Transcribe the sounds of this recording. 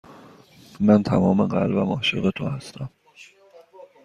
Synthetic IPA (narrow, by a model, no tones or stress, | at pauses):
mænt̪ʰæmɒːmeɢælvæmɒːʃeɣet̪ʰohæst̪ʰæm